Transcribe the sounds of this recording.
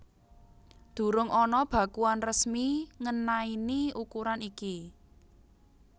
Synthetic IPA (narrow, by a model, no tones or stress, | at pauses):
d̪̥ṳɾʊŋʔɔnɔb̥ä̤kuanrəsmiŋənainiukuɾaniki